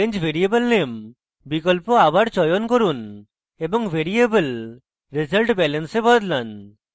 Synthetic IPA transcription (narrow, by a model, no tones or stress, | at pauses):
eɲd͡ʒbʱeɾiebəlnem | bikɔlpɔabaɽt͡ʃɔjɔnkɔɾun | ebɔŋbʱeɾiebəl | ɾezəlʈbɛlənsebɔd̪lan